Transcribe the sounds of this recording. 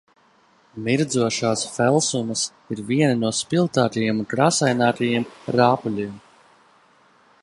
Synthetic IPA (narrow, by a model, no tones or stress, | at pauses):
miɾd̪zuɔʃaːsfɛlˠsumɐs | iɾviɛninuɔspilˠt̪aːt̪ajiɛmunkɾaːsajnaːt̪ajiɛmɾaːpulʲiːm